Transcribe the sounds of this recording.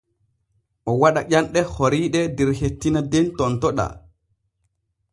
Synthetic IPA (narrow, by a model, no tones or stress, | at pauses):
ʔɔwaɗaʔʲanɗɛhoɾiːɗɛdɛɾhetːinadentɔntɔɗa̰